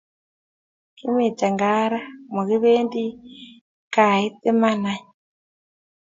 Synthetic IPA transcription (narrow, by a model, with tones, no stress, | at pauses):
ki˦mi˨t͡ʃa˨ŋɡa˦ɾa˦mu˨ɣi˦βe˦ndi˦ | ka˨i˦ti˦ma˦na˦ɲ